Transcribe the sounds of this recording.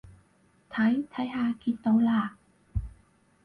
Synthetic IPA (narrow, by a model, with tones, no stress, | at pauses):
t̪ʰa˨˦˥jt̪ʰa˨˦˥jɦaː˧kʰi˧˥t̪ːɔː˧˥laː˨˩k̚